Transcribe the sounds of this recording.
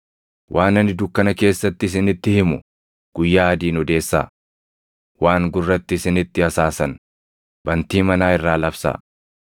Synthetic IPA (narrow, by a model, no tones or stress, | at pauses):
wʔaːnɐnɪd̪ʊkːɐnɐke̞ːsːɐt̪ːɪɪs̬ɪnɪt̪ːɪhɪmʊ | ɡ̥ʊjːaːɐd̪iːnɔd̪e̞ːsːa̰ː | waːŋɡʊrːɐt̪ːɪːsɪnɪt̪ːɪɐsaːsɐn | b̥ɐnt̪iːmɐnaːɪrːaːlɐfsa̰ː